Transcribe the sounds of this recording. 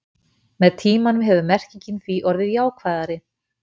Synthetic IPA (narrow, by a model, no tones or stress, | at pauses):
mɛðt̪ʰiːmanʏmɦɛvʏmɛr̥ciɲcɪnθviʔɔɾðɪðjaːwkʰvaːðaɾɪ